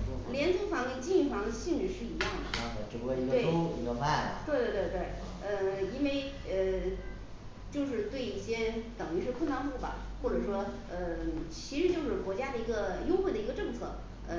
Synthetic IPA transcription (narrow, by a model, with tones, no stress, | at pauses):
ljɛ˧˥nt͡sʰu˥fɑ˧˥ŋi˥˩ŋt͡ɕi˥˧i˥˩fɑ˧˥ŋd̪ə˧ɕi˥˧nɻ̩˥˧ʂɻ̩˥˩i˧˥jɑ˥˩ŋd̪ə̰˩˥˧ʈ͡ʂɻ̩˧˩u˧˥e˥˩i˧ɡe˧˥˧o˥i˧˥ɡə˧fa˥˩ɪlɐ˩t̪we˥˧t̪we˥˧t̪we˥˧t̪we˥˩ɪ | ə˧˩i˥nwe˥˧ɪ | ə˧ | t͡ɕjo˥˧ʊʂɻ̩˥˧t̪we˥˧ɪi˥˩ɕjɛ˥t̪ɤ˨˩ŋy˧˥˧ʂɻ̩˥˧kʰnt̪ɑ˥ŋpu˥˩bɐ̰˩ | xwɔ˥˩ʈ͡ʂɤ˨˩ʂwɔ˥ | ə˧t͡ɕʰi˧˥ʂɻ̩˧˥t͡ɕjo˥˧ʊʂɻ̩˥˩kwɔ˧˥t͡ɕja˥d̪ə˨i˧˥ɡə˧jʊ˥ʊxwe˥˩ɪd̪ə˩i˧˥ɡə˧ʈ͡ʂɤ˥˧ŋt͡sʰɤ̰˥˩ | ə˧˩